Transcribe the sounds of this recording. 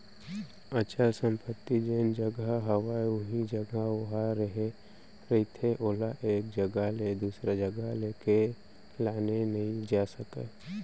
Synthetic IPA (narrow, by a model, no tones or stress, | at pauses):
ət͡ʃəlsə̃mpət̪ːid͡ʒeːnd͡ʒəɡəɦəwaʊɦid͡ʒəɡəʋɐɦaɾəɦe | ɾəɦit̪ʰeʔoːlaʔeːk̚d͡ʒəɡaled̪uːsɾad͡ʒəɡəleːke | laːnenəɦĩd͡ʒaːsəke